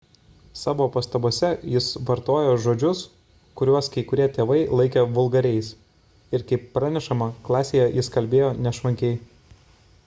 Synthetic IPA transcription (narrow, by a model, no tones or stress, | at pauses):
sɑːʋoːpɐst̪ɐbuɔsʲɛjɪsʋɐɾt̪oːjoːʒoːd͡ʒʲʊs | kʊɾʲuɔskɐɪkʊɾʲiɛt̪ʲeːʋɐɪlˠɐɪkʲɛʋʊlˠɡɐɾʲɛɪs | ɪɾkɐɪpːɾɑːnʲɛʃɐmɐklˠɑːsʲeːjɛjɪskɐlʲbʲeːjoːnʲɛʃʋɐŋʲkʲɛɪ